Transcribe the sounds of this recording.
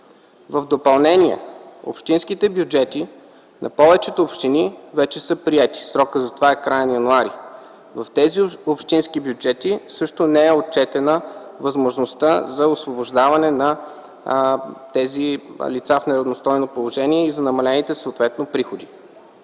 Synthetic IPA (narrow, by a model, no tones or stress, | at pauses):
vəvd̪opɐlˠnɛniɛ̰o̰pʃt̪inskit̪ɛbjud͡ʒɛt̪i | nʔɐ̰pɔvɛt͡ʃɛt̪oopʃt̪inivɛt͡ʃɛsɤpɾiɛt̪i̥sɾɔkəzɐt̪ovaɛkɾajənɐjɐnuaɾi | vɐft̪ɛziopʃt̪insk̟ibjud͡ʒɛt̪isɤʃt̪onɛɛot̪̚t͡ʃɛt̪ɛnəvɐzmoʒnost̪azɐosvoboʒd̪avɐnɛnɐ | t̪ɛzilit̪safnɛɾɐvnost̪ɔjnopolˠoʒɛniɛizɐnɐmɐlɛnit̪ɛsoːt̪vɛt̪nopɾixod̪i